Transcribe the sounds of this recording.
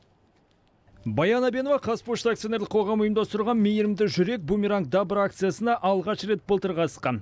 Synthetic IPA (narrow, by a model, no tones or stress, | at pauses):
bɑjɑnɑbe̞novɑqʰɑspuʃt̪akt̪joneɾlɪkqʰoʁɑmʊjəmd̪ɑst̪əɾʁɑnmʲejɪɾɪmd̪ɪʒʏɾe̞k̚bumʲiɾaŋk̚d̪ɑbəɾakt̪sɨjasənɑʔɑlˠʁɑʃɾe̞t̪̚bəlˠt̪əɾʁɑsə̥sqɑn